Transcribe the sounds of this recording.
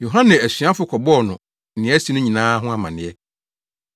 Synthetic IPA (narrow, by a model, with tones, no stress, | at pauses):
jo˨ɦã˦nɛ̃˨æ˨sɥã˦fʊ˨˦kʰɔ˨bɔ˦ɔ˨nʊ̃˨ | nɪ̃˨˦ɛ˦si˦nʊ̃˦ɲĩ˨nãː˦ɦʊ̃˦a˨mã̰˨nɪ̃˨ɛ˦